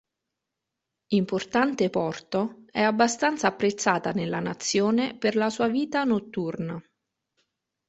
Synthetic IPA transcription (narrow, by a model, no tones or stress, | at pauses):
import̪ant̪epɔrt̪oɛabːast̪ant̪sapːɾet̪sːaːt̪anelːanat̪sːjoːneperlasuːaviːt̪anot̪ːurna